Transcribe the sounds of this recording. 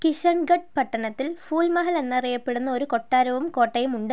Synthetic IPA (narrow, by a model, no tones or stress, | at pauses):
kiʂɐɳɡɐɖ̚pɐʈːɐɳɐt̪ːilfuːlmɐɦɐlenːɐɐrijɐpːe̞ɽunːɐo̞ɾuko̞ʈːaːɾɐʋɐmko̞ːʈːɐjɐmuɳɖɨ